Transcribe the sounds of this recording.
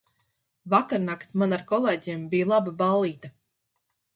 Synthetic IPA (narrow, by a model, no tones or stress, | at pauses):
vakaɾnakt̪manaɾkɔlˠeːɟembijlˠababalˠiːt̪a